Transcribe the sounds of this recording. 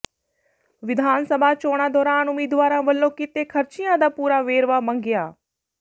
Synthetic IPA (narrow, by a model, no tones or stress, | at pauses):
ʋɪd̪ʱaːnsəbʱaːt͡ʃoːɽ̃aːd̪ɔːɾaːnʊmiːd̪ʋaːɾãːʋəlːõːkɪt̪eːkʰəɾt͡ʃɪjãːd̪aːpuːɾaːʋeːɾʋaːmə̃ŋɡɪjaː